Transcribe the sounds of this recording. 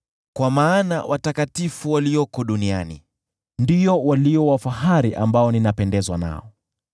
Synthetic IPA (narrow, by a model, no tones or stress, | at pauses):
kwamaːna̰wʔatakatifuwaliɔkɔɗunia̰nḭ | ndiɔwaliɔwafaɦaɾiʔambaɔninapɛndɛzwana̰ɔ